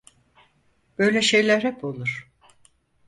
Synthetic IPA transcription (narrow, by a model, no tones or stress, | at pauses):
b̥ø̞jlʲɛʃe̞jlʲæɾhɛpo̞lˠuɾ̥